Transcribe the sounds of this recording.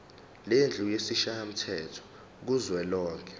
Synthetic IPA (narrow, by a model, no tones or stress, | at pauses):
lend͡ɮʱujesiʃajam̩tʰɛtʰɔ̥ | k̬uzwɛlɔːŋkʰɛ̥